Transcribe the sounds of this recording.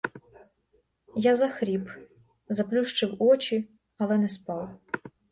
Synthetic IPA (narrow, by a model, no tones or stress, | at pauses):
jazɐxɾʲip | zɐplʲuʂt͡ʂɨwɔt͡ʃi | ɐlˠɛnɛspɑw